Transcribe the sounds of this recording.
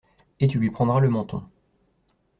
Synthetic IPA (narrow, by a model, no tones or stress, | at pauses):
et̪ylɥipχɑ̃d̪ʁaləmɑ̃t̪ɔ̰̃